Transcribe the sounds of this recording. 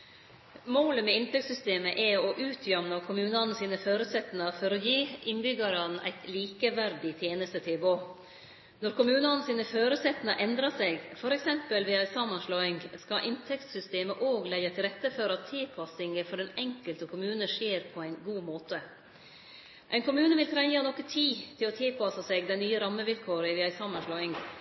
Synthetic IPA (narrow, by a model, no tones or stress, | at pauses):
moːləmɛɪnt̪ɛk̚t̪sʏst̪eːməʔɛɔʔʉːt̪ʰjœmnɑkʰʊmʉːnɑnsiːnəføːɾʉsɛt̪nɑfɔɾɔjiːʔɪnbʏɡɑɾɑnʔæ̰ɪt̪liːkəʋæɾɖɪt̪ʰjeːnəst̪ət̪ʰɪlboː | nɔɾkʰʊmʉːnɑnəsiːnəføːɾəsɛt̪nɑʔɛnd̪ɾɑsɛɡfɔɾɛksɛmpəlʋɪɑsɑmɑnʂlɔːɪŋskɑʔɪnt̪ʰɛkt̪sʏst̪eːməʔoːɡlɛɪɑt̪ʰɪlɾɛt̪ːəfɔɾɑt̪ʰːɪlpʰɑsɪŋəfɔɾɛnɛŋkəlt̪əkʰʊmʉːnəʂeːɾpʰɔæɪnɡuːmoːt̪ə | ʔæɪnkʰʊmʉːnəʋɪlt̪ʰɾɛŋɑnɔkət̪ʰiːt̪ʰɪlɔt̪ʰɪlpʰɑsɑsɛːɡd̪æɪnyːəɾɑmːəʋɪlkʰoːɾəɪʋɛɑɪsɑmɑnʂlɔɪŋ